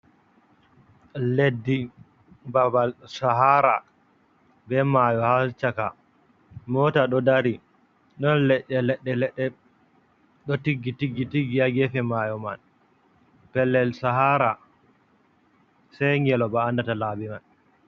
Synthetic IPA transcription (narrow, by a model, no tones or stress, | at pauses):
ledːi | babalsaɦaɾa | bɛmajɔhalt͡ʃaka | mɔtaɗɔdaɾi | ɗɔnlɛɗːɛlɛɗːɛlɛɗːɛ | ɗɔtiɡːitiɡːitiɡiaɡɛfɛmajɔman | pɛlːɛlsaɦaɾa | sajŋɡɛlɔbaːndatalaːbiman